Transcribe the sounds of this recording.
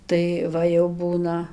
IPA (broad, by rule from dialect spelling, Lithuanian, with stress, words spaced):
ˈtɐɪ ˈʋɐ jɛʊ ˈbuːnɐ